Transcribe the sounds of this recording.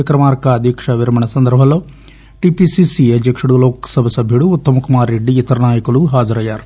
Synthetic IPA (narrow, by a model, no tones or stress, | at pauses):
ɐkɾɐmaːɾkɐɐd̪ʱikʂɐʋiɾɐmɐɳɐsɐnd̪ɐɾbʱɐlːo̞ː | ʈipisisiɐd̪jɐkʂuɽuloːkɐsɐbʱɐsɐbʱjuɽuːt̪ːɐmɐkumaːɾːeɖːiːt̪ɐɾɐnaːjɐkuluɦaːd͡ʒɐɾɐjːaːɾu